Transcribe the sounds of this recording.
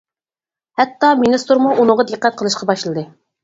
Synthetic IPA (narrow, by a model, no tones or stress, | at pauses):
hɛt̪ːɑminɨst̪uɾmuʔunɨʁɑd̪əqːæt̪̚qʰəlˠɨʃqʰɑbɑʃlˠɨd̪ɨ